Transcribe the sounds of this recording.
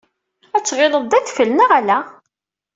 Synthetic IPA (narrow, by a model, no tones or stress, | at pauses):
æt͡sːʁɪləðˤæθfəlnəʁælæ